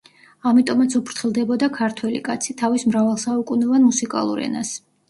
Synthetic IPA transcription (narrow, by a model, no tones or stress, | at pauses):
amit̪ʼɔmat̪sʰupʰɾt̪ʰχilˠd̪ɛbɔd̪akʰaɾt̪ʰwɛlḭkʼat̪sʰit̪ʰavismɾavalˠsaukʼunɛvanmusikʼa̰lˠṵɾɛ̰nas